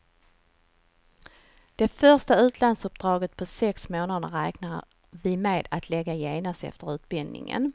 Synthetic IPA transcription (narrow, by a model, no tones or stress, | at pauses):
d̪̥ɛfœʂtaʉ̟ːt̪ʰlansɵp̚d̪̥ɾɑːɡət̪̚pʰɔsɛksmoːnad̪əɾɛːknaɾ | vɪmeːd̪at̪ʰlɛɡːajeːnast̪ɛ̰ft̪əɾʉ̟ːt̪bɪld̪nɪ̰ŋə̰n